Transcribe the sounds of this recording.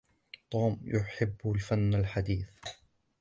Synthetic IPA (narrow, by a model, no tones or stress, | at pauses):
t̪ˤuːmjʊħɪbːlfanːalħad̪iːθ